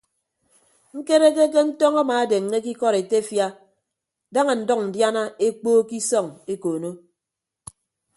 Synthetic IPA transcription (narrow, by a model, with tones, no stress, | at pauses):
ŋ̩˦ke˦ɾe˦k̬e˦k̬e˦n̩˦tɔ˦ŋa˦maː˨e˦de˨ŋ˦ne˦k̬i˦kɔ˦ɾe˨te˦fja˦ | da˦ŋa˨n̩˨dɔ˦k̚n̩˨dja˦na˦e˦k͡poː˦ki˦sɔ˦˨ŋe˦koː˨no˦